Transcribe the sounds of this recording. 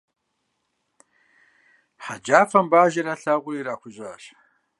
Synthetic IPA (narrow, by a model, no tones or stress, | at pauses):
ħad͡ʒaːfɐmbaːʒiɾɐɬɐʁʷʊɾiːɾaːkʷʊʒaɕ